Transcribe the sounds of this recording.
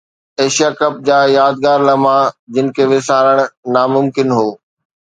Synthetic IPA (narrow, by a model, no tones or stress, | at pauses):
eːʃijaːkɐp̚d͡ʑaːjaːd̪ɡaːɾlɐmãd͡ʑɪnɪ̆kʰeʋɪsaːɾəɽ̃namʊmkɪnɦoː